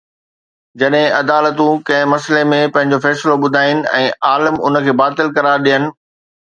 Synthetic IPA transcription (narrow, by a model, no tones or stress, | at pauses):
d͡ʑɐɗɦɪ̃ʔɐd̪aːlət̪ũkɐ̃ɦɪ̃mɐslemẽpɐ̃ɦɪ̃ɲ̆d͡ʑofɛːsloɓʊd̪ʱaːɪnɪ̆ɛ̰̃ːaːləmʊ̰nə̆kʰeːbaːt̪ɪlkɐɾaːɾɗijənɪ̆